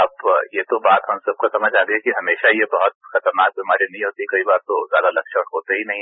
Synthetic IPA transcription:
ɐpjet̪obaːt̪ɦɐmsɐb̚kasɐməd͡ʒaːɡəekiɦɐmeːʃajebɐɦʊt̪̚xɐt̪əɾnaːk̚bʱimaːɾinɐɦĩɦoːt̪ikɐibaːɾt̪ozjaːd̪alɐkʃɔːʈɦoːt̪eɦinɐɦĩ

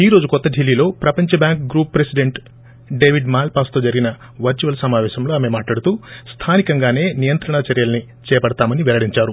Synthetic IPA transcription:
iːɾo̞ːd͡ʒukɔt̪ːɐɖʱilːiːlo̞ːpɾɐpɐɲt͡ʃɐbjaːŋkɡɾuːpːɾesiɖeɳʈ | ɖe̞ːʋiɖmaːlpaːst̪o̞ːd͡ʒɐɾiɡinɐ | ʋɐɾt͡ʃuʋɐlsɐmaːʋɛːʃɐmlo̞ːaːme̞maːʈlaːɽut̪uːst̪ʰaːnikɐŋɡaːne̞ːnijɐnt̪ɾɐɳɐt͡ʃɐɾjɐlɐni | t͡ʃɛːpɐɽɐt̪aːmɐniʋɛlɐɽiɲt͡ʃaːɾu

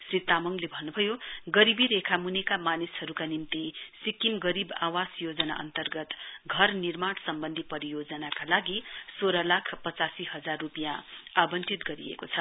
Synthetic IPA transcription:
srit̪amʌŋlebʱʌnːubʱʌjoɡʌɾibiɾekʰamunekamanishʌɾukanimt̪isikimɡʌɾiba̰wasjod͡zʌna̰ʔʌ̰nt̪ʌrɡʌt̪ɡʱʌrnirmansʌmbʌnd̪ʱipʌɾijod͡zʌnakalaɡisoɾʌlakʰpʌt͡sasiɦʌd͡zarːupjãabʌntit̪ɡʌɾiḛkot͡sʰʌ

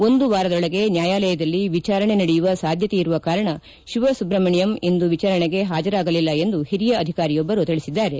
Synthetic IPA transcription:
o̞nd̪uʋaːɾɐd̪ɔɭɐɡe̞njaːjaːlɛjɐd̪ɐlːiʋit͡ʃaːɾɐɳe̞nɐɽejuʋɐsaːd̪ʱjɐt̪eiɾuʋɐkaːɾɐɳɐ | ʃiʋɐsubɾɐmɐɳijɐme̞nd̪uʋit͡ʃaːɾɐɳeɡe̞ɦaːd͡ʒɐɾaːɡɐlilːɐe̞nd̪uhiɾijɐːd̪ʱikaːɾijobːɐɾut̪iɭisid̪ːaːɾe̞

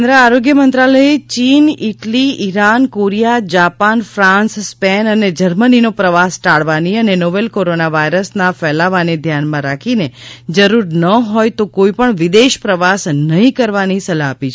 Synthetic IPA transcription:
nd̪ɾəaɾoɡjəmənt̪ɾaləet͡ʃiniʈliiɾankoɾijad͡ʒapanfɾãnsspɛnəned͡ʒəɾməninopɾəʋasʈaɭʋaniənenoʋelkoɾonaʋajɾəsnafɛlaʋaned̪ʱjanmãɾakʰined͡ʒəɾuɾnəɦɔjt̪okoipəɳʋɪd̪eʃpɾəʋasnəɦĩkəɾʋanisəlaːpit͡ʃʰ

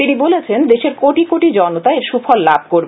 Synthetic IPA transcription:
t̪inibolet͡ɕʰend̪eʃeɾkoʈikoʈid͡ʑɔnot̪aeɾʃufɔlːabʱkoɾbe

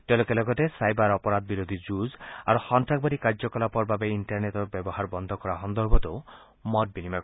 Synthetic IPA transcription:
ʈelokelɔɡɔtesajbaɾɔpɔɾad̪̚biɾod̪ʱid͡ʒuza̰ɾuxɔnʈak̚baɾikaɾd͡ʒɔkɔlapɔɾbabeiɳʈaɾnetɔbjɔbɔɦaɾbɔnd̪ʱɔkɔɾaɦɔnd̪ɔɾbɔt̪o | mɔʈ̚binima

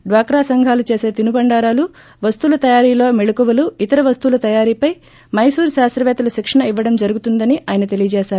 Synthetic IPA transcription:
ɖʋaːkɾaːsɐŋɡʱaːlut͡ʃe̞ːse̞ːt̪inubɐɳɖaːɾaːlu | ʋɐst̪uːlɐt̪ɐjaːɾiːlo̞ːmiɭukuʋɐluit̪ɐɾɐʋɐst̪uːlɐt̪ɐjaːɾiːpɐj | mɐjsuːɾʃaːst̪ɾɐʋɛːt̪ɐlɐʃikʂɐɳɐiʋːɐɽɐmd͡ʒɐɾuɡut̪und̪ɐniʔaːjɐnɐt̪e̞lijɐd͡ʒɛːʃaːɾu

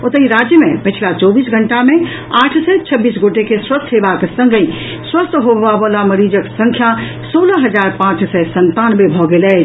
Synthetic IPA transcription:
ot̪əiɾad͡ʒjəmẽpət͡ʃʰlat͡ʃɔbiːsɡʱəɳʈamẽ | aːʈʰsɛt͡ʃʰəbːiːsɡoʈekeswəst̪ʰɦebaksə̃ŋɡəĩ | swəst̪ʰɦoabəlaməɾid͡ʒəksə̃ŋkʰja | soləɦəd͡ʒaːɾpãt͡ʃsɛsənt̪anbebʱɔɡelɛː

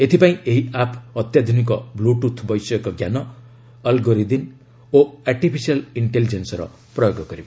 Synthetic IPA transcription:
et̪ʰipaĩʔeɦiapʰʌt̪jad̪ʱunik̬ɔbluʈut̪ʰbʌjsɔekɔɡjanɔː | lɡoɾid̪in | oarʈipʰisijaliɳʈelid͡ʒensɔɾʌ̰ | prʌjoɡɔɡʌɾibo

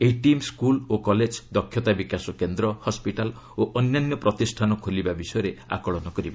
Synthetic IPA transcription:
eiʈimskulokɔled͡ʒd̪ɔkʰːjɔt̪abikasɔkend̪ɾɔhɔspiʈal | oʔɔnjanːjɔpɾɔt̪isʈʰanɔkʰolibabisɔjɔɾea̰kɔɭɔnɔkɔɾiba

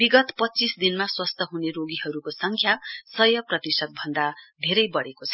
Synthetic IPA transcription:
biɡʌt̪pʌt͡sisd̪inmaswʌst̪ʰʌɦuneɾoɡiɦʌɾukosʌŋkʰjasʌjʌprʌt̪isʌk̚bʱʌnd̪ad̪ʱeɾʌjbʌɽekot͡sʰʌ

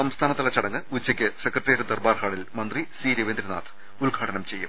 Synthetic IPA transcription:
sɐmst̪ʰaːnɐt̪ːɐlɐt͡ɕɐɽɐŋːɨut͡ɕːɐkʲːɨsekrɐʈːeːɾd̪ɐrbaːrhaːɭilmɐnd̪risiːɾiʋend̪ɾina̰ːt̪ʰ | ulɡʱaːɽɐɳɐmt͡ɕe̞jːum

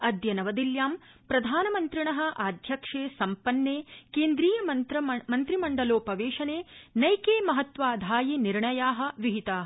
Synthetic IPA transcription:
ɐd̪jɐnɐʋɐd̪iljaːm | pɾɐd̪ʱaːnɐmɐnt̪ɾiɳɐɦɐ̆ʔaːd̪ʱjɐkʂeːsɐmpɐnːeːkeːnd̪ɾiːjɐmɐɐmɐnt̪ɾimɐɳɖɐloːpɐʋeːʂɐneːnɐjkeːmɐɦɐt̪ʋaːd̪ʱaːjiniɾɳɐjaːɦɐ̆ʋiɦit̪aːɐ

